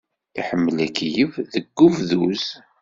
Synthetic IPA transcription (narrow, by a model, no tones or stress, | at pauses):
iħəmːəlækijəvðəɡːuvðuz